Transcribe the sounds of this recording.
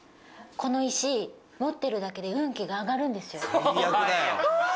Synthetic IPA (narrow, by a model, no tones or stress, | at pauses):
ko̞no̞iɕi | mo̞t̪ːe̞ɾɯ̟d̪ake̞d̪e̞ɯ̟̃ŋkʲiɡaːɡaɾɯ̟̃nd̪e̞sɨjo̞iaɡɯao